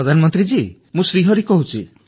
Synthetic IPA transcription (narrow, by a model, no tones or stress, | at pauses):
ɔd̪ʱanmɔnt̪ɾid͡ʒi | mũsɾiɦʌɾikɔɦut͡ʃʰḭ